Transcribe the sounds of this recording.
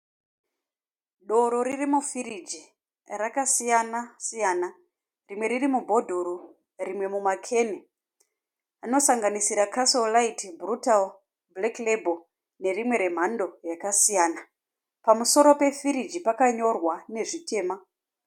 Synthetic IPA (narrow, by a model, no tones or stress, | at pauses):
ɗo̞ɾo̞ɾirimufiɾid͡ʒi | rakasijanasijaːna | rimwe̞ɾirimubʱo̞dʱoɾu | rimwe̞mumakʰe̞ne | ano̞saŋɡanisiɾakʰasolaitbʱrutal | bleklebʱo | ne̞rimwe̞ɾe̞m̤ando̞jakasijaːna | pamuso̞ɾo̞pe̞fiɾid͡ʒipakaɲo̞rwane̞ʐite̞ːma